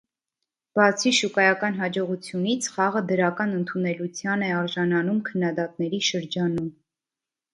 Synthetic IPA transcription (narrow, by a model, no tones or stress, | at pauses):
b̥ɑt͡sʰiʃukɑjɑkɑnɦɑd͡ʒɔʁut͡sʰjunit͡sʰχɑʁəd̪əɾɑkɑnənt̪ʰunɛlut͡sʰjɑnɛɑɾʒɑnɑnumkʰənːɑd̪ɑt̪̚nɛɾiʃəɾd͡ʒɑnum